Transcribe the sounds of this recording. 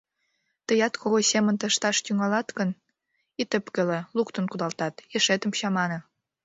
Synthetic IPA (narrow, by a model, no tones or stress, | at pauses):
t̪əjɑt̪kʰoɣosemənt̪əʃt̪ɑʃt̪yŋɑlɑt̪ɣən | it̪əpkəlelukt̪ə̆nkud̪ɑlt̪ɑt̪eʃet̪əmɕɑmɑne